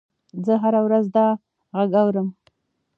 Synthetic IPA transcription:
zəɦaɾawɾazd̪ɑ | ɣaɡawɾəm

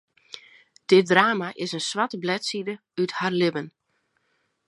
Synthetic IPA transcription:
d̥ɪt̚draːmaʔɪsənsʋatəblɛtsidə | ytharlɪbən

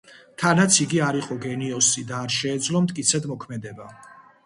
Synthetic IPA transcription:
t̪ʰanat̪sʰiɡiaɾiqʼɔɡɛniɔsid̪aːɾʃɛːd̪zlɔmt̪ʼkʼit̪sʰɛd̪mɔkʰmɛd̪ɛba

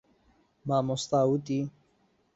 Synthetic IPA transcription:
maːmost̪aːwut̪i

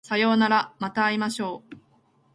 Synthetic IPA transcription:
sajo̞ːnaɾamat̪aːimaɕo̞ː

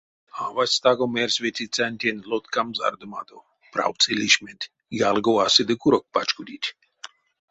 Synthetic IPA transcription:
avasʲt̪aɡomeɾsʲʋʲet̪ʲit͡s̪ʲanʲt̪ʲenʲlɔt̪kamza̰ɾd̪ɨmad̪o | pɾa̰w̪t͡s̪ʰelʲiʃʲmʲet̪ʲ | jalɡowasɨd̪ɨkuɾok̚pat͡ʃkud̪ʲit̪ʲ

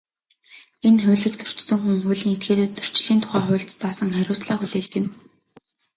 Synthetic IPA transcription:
enχʊ̟ːɮĭkt͡sɵ̥r̥t͡ɕsɵ̆ŋxuŋxʊ̟ːɮĭːŋet̪̚ɡeːt̪eːt̪̚t͡sɵr̥t͡ɕ̆ɮiːnt̪ʰʊ̥χæːχʊ̟ːɬt̪t͡saːsə̆ŋχæɾʲʊːsɮaːxuɮeːɮɡĕn

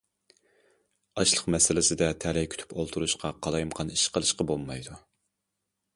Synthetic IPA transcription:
ɑʃlˠəqmɛsɪlɪsɪd̪ɛt̪ʰɛlɛjkʰʲy̥t̪ʰy̥polˠt̪ʰuɾuʃqʰɑqʰɑlˠɑjmqʰɑniʃqʰəlˠɨʃqɑbolˠmɑjd̪u

